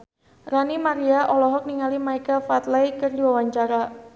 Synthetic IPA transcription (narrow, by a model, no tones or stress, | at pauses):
ranimaɾiaʔɔlɔɦɔk̚niŋalimaikafat̪lajkɨrdiwawaɲt͡ʃaɾa